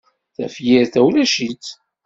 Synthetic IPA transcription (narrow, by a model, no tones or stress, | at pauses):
θæ̰fjiɾθæwlæʃit̪